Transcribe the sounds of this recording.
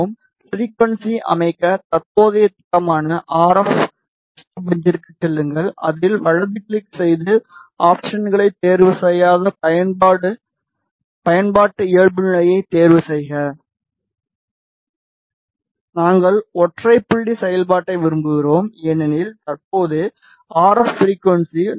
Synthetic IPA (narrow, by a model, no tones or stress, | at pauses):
m | fɾiːkʋɐnsiʔɐ̰mɐɪkːɐt̪ɐrpoːðɐjɐt̪ɪ̥k̪ːɐmaːnɐʔaːɾɐf | ɐsʈɐbɐɲd͡ʒɪɾkːɯt͡ʃːɛlːɯŋɡɐɭʔɐ̰ðɪlʋɐɻɐðɪklɪkːɯ̥sɛjðɯʔaːpʂɐnɡɐɭɐɪt̪eːɾʋɯsɛjaːðɐɐ | pɐjɐnbaːʈːɯɪɐɻbɪnlɐjɐɪt̪eːɾʋɯsɛjɣɐ | naːŋɡɐɭɔʈrɐɪpːʊɭːisɛjɐlpaːʈːɐɪʋɪɾɯmbɯɣɪɾoːmɐnɛnɪlt̪ɐrpoːðɯ | aːɾɐfːɾiːkʋɐnsi